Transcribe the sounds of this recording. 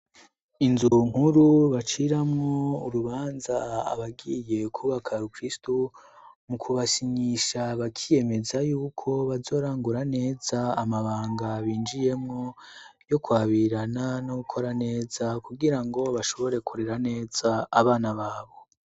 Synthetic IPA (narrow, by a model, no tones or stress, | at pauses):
inzuŋ̥huɾuβat͡ʃiɾamŋouɾuβaːnzaa̰βaɡije̞kʰuβakʰaɾukɾistu | mukʰuβasiɲiʃaβakʰije̞me̞zajuːkʰo̞βazo̞ːɾaːŋɡuɾane̞ːz̥aːmaβaːŋɡaβiːnd͡ʒije̞mŋo̞jo̞kwaːβiɾananoɡukʰo̞ɾane̞ːz̥akuɡiɾaŋɡo̞βaʃo̞βo̞ɾe̞kʰuɾe̞ɾane̞ːz̥aːβaːnaβaːβo̞